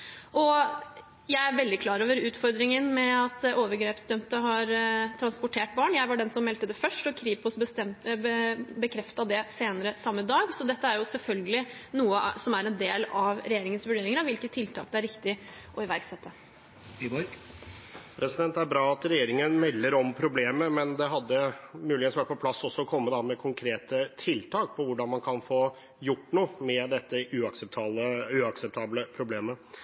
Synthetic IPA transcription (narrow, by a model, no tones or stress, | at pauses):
ʔɔ | jæɪæɾʋɛld̪ɪkʰlɑːɾoːʋəɾʉːt̪fɔɾd̪ɾɪŋənmɛɑt̪d̪ɛʔoːʋəɾɡɾeːpsd̪œmt̪əɦɑɾt̪ʰɾɑnspʊʈʰeːʈ̚bɑːɳjæɪʋɑɖɛnsɔmːɛlt̪əd̪ɛfœʂʈɔkʰɾiːpʊsət̪ɛm | bəkʰɾɛft̪ɑd̪ɛseːnəɾəsɑmːəɪd̪ɑːɡsɔd̪ɛt̪ːəæɾjʊsɛlfœlɡəlɪnuːəsɔmæɾɛnd̪eːlɑʋɾɛjeːɾɪŋənsʋʉɖeːɾɪŋəɾɑʋɪlkət̪ʰːɪlt̪ʰɑ̰ːk̚d̪ɛæɾɪkt̪ɪ | ʔɔɪʋæɾksɛt̪ʰːə | ibɔɾɡ | pʰɾɛsɪd̪ɛnt̪æɾbɾɑːɑt̪ɾɛjeːɾɪŋənmɛlːəɾɔmpʰɾʊbleːməmɛnd̪ɛɦɑd̪ːəmʉːlɪɡənsʋæʈ̚pɔpʰlɑsːɔsːɔɔkʰɔmːəd̪ɑmɛkʰʊŋkʰɾeːt̪ət̪ʰɪlt̪ʰɑːk̚pʰɔʋʊɖɑnmɑnkʰɑnfoː | jʊʈːnuːmɛd̪ɛt̪ːəʔʉɑksɛp̚t̪ʰɑːləʉɑksɛp̚t̪ʰɑːbləpʰɾʊbleːmə